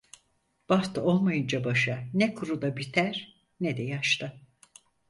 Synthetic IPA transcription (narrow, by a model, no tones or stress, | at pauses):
b̥aft̪ʰɯo̞lˠmajɯnd͡ʒabaʃanɛkʰuɾud̪abit̪ʰæɾ̥ | nɛd̪ɛjaʃt̪ʰɯ